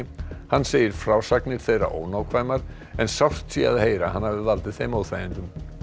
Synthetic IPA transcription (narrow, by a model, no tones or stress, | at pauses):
hanːseːjɪɾ̥fɾaːwsaknɪɾ̥θejra̰ʔo̰ːwnaːwkʰvaːjmaɾ̥ | ɛnsawr̥t̪sia̰ðheːjɾahanːhavðɪðvalt̪ɪðθejmoːwðθfaːjɪnt̪ʏm